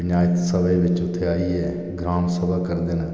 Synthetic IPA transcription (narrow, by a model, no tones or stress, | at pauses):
njaːɪt̪səbeːʋɪt͡ʃʊt̪ʰːeaːiːɛː | ɡɾaːmsəbaːkəɾd̪eːnə